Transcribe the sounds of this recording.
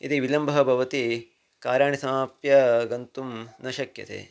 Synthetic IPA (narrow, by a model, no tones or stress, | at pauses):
it̪iʋilɐmbʱɐɦɐbʱɐʋɐt̪i | kaːɾjaːɳisɐmaːpjɐɡɐnt̪umnɐʃɐkjɐ̰t̪ʰḛː